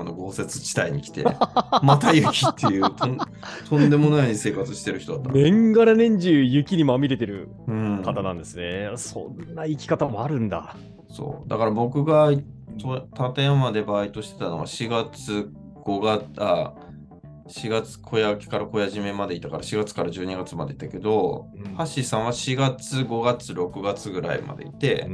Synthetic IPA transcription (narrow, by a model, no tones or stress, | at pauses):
anoɡo̞ːse̞t͡sɨ̥t͡ɕi̥t̪aiɲ̟ikʲi̥t̪e̞mat̪ajɯ̟kʲit̪ʰːejɯt̪õn | t̪ʰõ̞nd̪e̞mo̞naise̞ːkat͡sɨɕi̥t̪e̞ɾɯ̟çit̪o̞d̪at̪ːanẽ̞ŋɡaɾanẽ̞ɲ̟d͡ʑɨjɯ̟kʲiɲ̟imamʲiɾe̞t̪e̞ɾɯ̟̰ | ɯ̃kat̪anãnd̪e̞sɨne̞sõ̰nːaikʲi̥kat̪amo̞aɾɯ̟̃nd̪a̰ | so̞̰ːd̪akaɾabo̞kɯ̟ɡa | t̪ot̪at̪eamad̪e̞baːit̪oɕi̥t̪e̞t̪ano̞ɡa̰ɕiɡat͡sɨ | ɡ̥o̞ɡaa | ɕiɡat͡sɨ̥kʰo̞jakʲi̥kaɾako̞jaʑime̞mad̪e̞it̪ːakaɾaɕiɡat͡sɨ̥kaɾaʑɨːɲiɡat͡sɨmad̪e̞it̪ːake̞d̪o̞haɕisãɰ̃βaɕiɡat͡sɨɡo̞ɡat͡sɨɾo̞kɯ̟ɡat͡sɨɡɯ̟ɾa̰ḭma̰d̪e̞̰ḭt̪e̞